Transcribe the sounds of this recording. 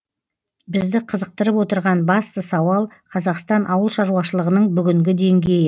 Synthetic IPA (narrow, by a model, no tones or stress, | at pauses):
bɪzd̪ɪqʰəzəq̚t̪əɾəpwo̞t̪əɾʁɑnbɑst̪əsɑwɑlˠqʰɑzɑqst̪ɑnʔɑwəlˠʃɑɾuɑʃəlˠəʁənəɴbʏɡʲɪŋɡʲɪd̪e̞ŋɡʲe̞jɪ